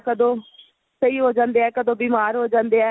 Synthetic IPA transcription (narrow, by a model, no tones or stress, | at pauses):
kəd̪õː | səiːɦoːd͡ʒãːnd̪eːɛːkəd̪õːbiːmaːɾɦoːd͡ʒãːnd̪eːɛː